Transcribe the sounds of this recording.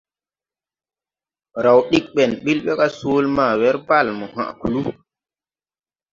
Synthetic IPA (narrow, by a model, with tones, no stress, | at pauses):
ɾa˨wɗi˦k̚ɓɛ˨nɓi˦lɓɛ˦ka˦soː˦lma˨wɛ˦ɾba˦˨lmɔ˨hã̰˨ku˨lu˦